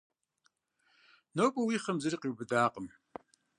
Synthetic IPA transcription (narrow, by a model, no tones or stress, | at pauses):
noːpʷʼɐwiːχɐmzɐriːqiwbɨdaːqʼəm